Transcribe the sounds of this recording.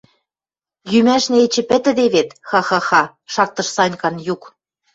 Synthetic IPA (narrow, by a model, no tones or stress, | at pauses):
jymæʃnĕet͡ɕɘ̆pɘ̆t̪ɘ̆d̪eβet̪xɑxɑxɑ | ʃɑɾt̪ːɤ̆ʃsɑnʲkɑnjuk